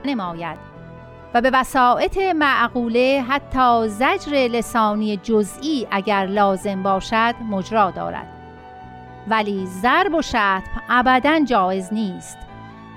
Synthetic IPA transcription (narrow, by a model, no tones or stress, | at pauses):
ne̞mɒːjæd̪̥ | væbe̞væsɒːʔe̞t̪ʰemæʔɣuːle̞ɦæt̪ʰːɒːzæd͡ʒɾe̞le̞sɒːniːjed͡ʒozʔiːʔæɟæɾlɒːze̞mbɒːʃæd̪̥mod͡ʒɾɒːd̪ɒ̰ːɾæ̰d̪̥ | væliːzæɾbo̞ʃæːt̪ʰbʔæbæd̪ænd͡ʒɒːe̞zniːst̪